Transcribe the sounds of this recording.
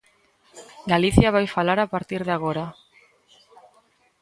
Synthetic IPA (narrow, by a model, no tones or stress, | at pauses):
ɡaliθiaβajfalaɾapaɾt̪iɾð̞aɣ̞oɾa